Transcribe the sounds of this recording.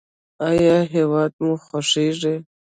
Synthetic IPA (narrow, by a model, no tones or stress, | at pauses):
ajjɑɦewɑːd̪̚muxoʂiʐe